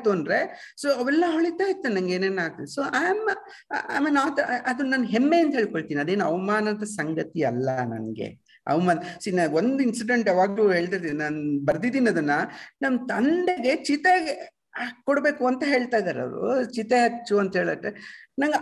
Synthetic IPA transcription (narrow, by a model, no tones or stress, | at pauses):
t̪uɐnɖɾe | soːɐʋɛlːɐɐʋɭit̪ːaːjit̪ːunɐŋɡeːneːnːaːɡt̪usoʔaːmɐ | a̰ːmelaːt̪ɐɐd̪unnaːnɦemːeɐnt̪ɐɦeːɭkoɭt̪iːniɐd̪eːnuɐʋɐmaːnɐd̪ɐsɐŋɡɐt̪iɐlːɐnɐ̰nɡe̞̰ | ɐ̰ʋɐmaːnsinaond̪insiɖeɳʈɐʋaːɡluɦeːɭt̪aɾt̪innaːnubɐɾd̪id̪iːnɐd̪ɐnːɐnɐmɐt̪ɐɳɖeɡe̞t͡ʃit̪e | kɔɽbe̞ːkuɐnt̪ɐɦe̞ːɭt̪aːjd̪aːɾɐ̰ʋɾṵt͡ʃit̪eɦɐt͡ʃːuɐnt̪ɐɦe̞ːɭɐʈːenɐŋɡɐ